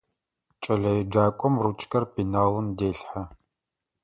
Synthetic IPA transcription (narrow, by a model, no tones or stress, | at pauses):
t͡ʃʼɐɮɐjɛd͡ʒaːkʷʼɔmrut͡ʃʼkʰɐrpʰinaːlʊmdeːɬħa